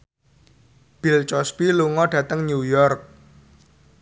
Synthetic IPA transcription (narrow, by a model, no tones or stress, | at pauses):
b̥ilt͡ʃɔspiluŋɔɖ̥ä̤t̪əŋɲujɔrk̚